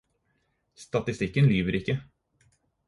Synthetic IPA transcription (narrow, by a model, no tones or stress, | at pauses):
st̪ɑt̪ɪst̪ɪkːənlyːʋəɾɪkːə